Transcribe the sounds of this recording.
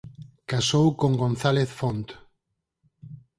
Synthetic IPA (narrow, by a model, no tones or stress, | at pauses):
kasowkoŋɡonθaleθfont̪